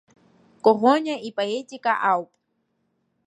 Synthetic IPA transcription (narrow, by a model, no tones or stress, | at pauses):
koɦoɲaipʼajit͡ʃʼikʼaʔawpʼ